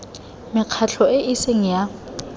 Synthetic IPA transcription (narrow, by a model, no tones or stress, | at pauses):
mɪq͡χʰat͡ɬʰɔɪʔiseŋ̩ja